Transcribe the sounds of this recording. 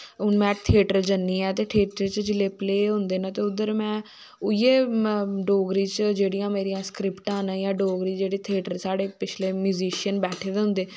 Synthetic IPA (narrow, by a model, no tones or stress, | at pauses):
ʊnmɛ̃ːt̪ʰeːʈəɾd͡ʒənːiːɛːt̪eːʈʰeːʈəɾt͡ʃd͡ʒɪleːpleːɦʊ̃nd̪eːnãːt̪eːʊd̪ːəɾmɛ̃ː | ʊieːɖoːɡɾiːt͡ʃd͡ʒeːɽijãːmeːɾijãːskɾɪpʈãːnajãːɖoːɡɾiːd͡ʒeːɽiːt̪ʰeːʈəɾsaːɽeːpɪt͡ʃʰleːmjuːziːʃənbɛːʈʰeːd̪eɦʊ̃nd̪eː